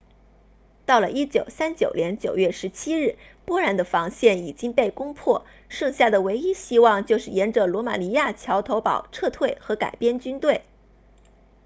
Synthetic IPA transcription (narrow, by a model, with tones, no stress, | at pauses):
t̪ɑ˥˩ʊlə˩ʔi˥t͡ɕjo˨˩ʊsa˥nt͡ɕjo˨˩ʊljɛ˧˥nt͡ɕjo˨˩ʊɥɛ˥˩ʂɻ̩˧˥t͡ɕʰi˥ɻɻ̩˥˩ | pwɔ˥ɻa˧˥nd̪ə˧fɑ˧˥ŋɕjɛ˥˩ni˨˩t͡ɕi˥ŋpe˥˩ɪkʊ˥ŋpʰwɔ˥˩ | ʂɤ˥˧ŋɕja˥˩d̪ə˩we˧˥ɪi˥ɕi˥wɑ˥˧ŋt͡ɕjo˥˧ʊʂɻ̩˥˩jɛ˧˥nʈ͡ʂɤ˨˩lwɔ˧˥ma̰˨˩ni˧˥ja˥˩t͡ɕʰjɑ˧˥ʊt̪ʰo˧˥ʊpɑ̰˨˩ʊʈ͡ʂʰɤ˥˧t̪ʰwe˥˩ɪxɤ˧˥ka̰˨˩ɪpjɛ˥˧nt͡ɕy˥nt̪we˥˩ɪ